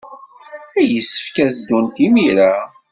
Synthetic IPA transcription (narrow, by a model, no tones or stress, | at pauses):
æjəsːə̥fkæθd̪ːunt̪imiɾa